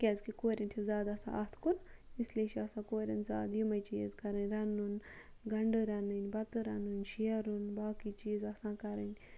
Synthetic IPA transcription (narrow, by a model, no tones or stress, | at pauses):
kʲɛzkikoːɾʲɐnt͡ʃʰizaːd̪ɐsã̰ʔɐt̪ʰkunislʲeʃʰiɐsãːkoːɾʲɐnza̰ːd̪jumɐjt͡ʃiːzkɐɾɨnʲɾɐnːunɡɐɳɖɨɾɐnɨnʲbɐt̪ɨɾɐnunʲʃiɐɾunbaːkit͡ʃiːzɐsãːkɐɾɐnʲ